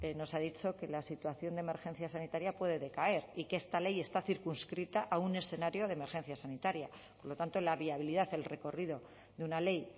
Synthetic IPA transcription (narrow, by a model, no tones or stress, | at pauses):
no̞sað̞it͡ʃo̞ke̞lasit̪waθjo̞nd̪eme̞ɾxe̞nθjasanit̪aɾjapwe̞ðe̞ðe̞kae̞ɾikeest̪ale̞je̞st̪aθiɾkunskɾit̪aʔaune̞sθe̞naɾjo̞ðeme̞ɾxe̞nθjasanit̪aɾjapo̞ɾlo̞t̪ant̪olaβiaβiliðaðelre̞ko̞rið̞o̞ | ðeunale̞j